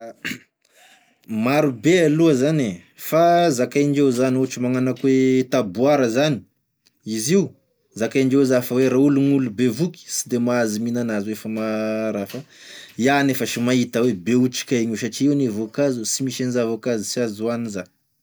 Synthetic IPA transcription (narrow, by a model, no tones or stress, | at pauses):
maɾubealuəzane | fazakajɳd͡ʒewzaniuaʈ͡ʂimaŋanakwet̪abuaɾəzani̥ | iziu | zakajɳd͡ʒewzafəweɾauluŋulubevuki̥si̥d̪emaaziminanazuefəmaɾafaianefəʃimaɦit̪əwebeuʈ͡ʂi̥kʲaɲuʃaʈ͡ʂiiwnevokazusimiʃenizavokazisiazuaniza